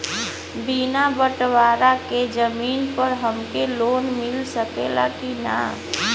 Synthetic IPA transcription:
binabəʈʋaɾaked͡ʒəmiːnpəɾɦəmkeloːnmɪlsəkelakina̰

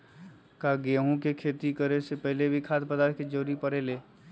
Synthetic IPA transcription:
kaɡeːɦũkekʰeːt̪ikəɾesepɛɦlebʱikʰaːd̪pəd̪aːɾked͡ʒoːɾipəɾeːleː

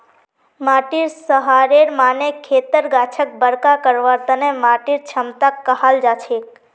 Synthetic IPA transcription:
maːʈiɾsəɦaɾeɾmanekʰːet̪əɾɡat͡ʃʰək̚bəɾkakəɾʋaɾt̪ənemaːʈiɾt͡ʃʰəmt̪akːəɦald͡ʒat͡ʃʰek

